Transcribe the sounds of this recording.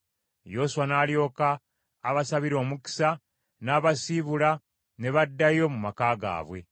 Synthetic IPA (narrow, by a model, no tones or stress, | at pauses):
jo̞suwanaːljo̞ːkaː | βasaβiɾo̞ːmuki̥sa | naːβasiβula | ne̞βadːajo̞mumakaːɡa̰ːβwe̞̰